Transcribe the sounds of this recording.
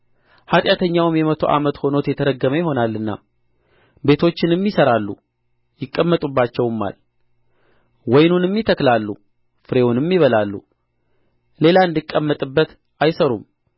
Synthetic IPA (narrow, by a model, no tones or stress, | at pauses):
hat̪ʼjat̪ʰəɲːawmjɛmət̪ʰo̞̰ʔa̰mət̪ho̞no̞t̪jɛt̪ʰəɾəɡːəməjɪho̞nalːɨnːa̰ | be̞t̪ʰo̞t͡ʃːɪnɨmːisəɾalːṵ | jɪkʼːəmːət̪ʼubːat͡ʃːɛwmːa̰l | wɔjnunɨmːit̪ʰəklalːṵ | fɨɾe̞wunɨmːiβəlalːṵ | le̞laɨnd̪ɨkʼːəmːət̪ʼɨbːət̪ | ajsəɾṵm